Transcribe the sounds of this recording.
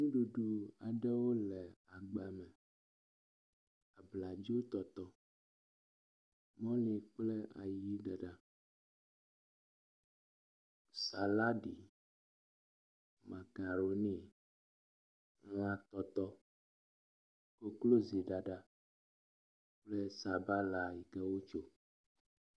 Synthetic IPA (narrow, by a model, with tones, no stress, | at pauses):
ŋũ˦ɖu˨ɖu˨a˨ɖɛ˦wo˦lɛ˨a˨ɡ͡ba˨mɛ˨ | a˨bla˨d͡ʒi˦wo˦t̪ɔ˨t̪ɔ˦ | mɔ̃˦lĩ˨k͡plɛ˦a̰˨ji˦ɖɛ˨ɖa˦ | sa˨la˦ɖi˨ | ma˨ka˨ɾo˦ni˦˨˦ | la˨t̪ɔ˨t̪ɔ˦ | ko˦klo˦zi˨ɖa˨ɖa˨ | k͡plɛ˦sa˨ba˦la˨ji˨kɛ˦wo˦t͡ʃo˦